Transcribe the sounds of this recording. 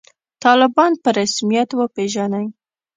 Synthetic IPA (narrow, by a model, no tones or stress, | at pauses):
t̪ɑlɪbɑnpəɾasmijat̪wəpeʒanaj